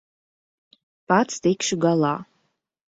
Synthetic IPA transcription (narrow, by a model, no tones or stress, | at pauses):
pat͡sʰdejkʃuɡala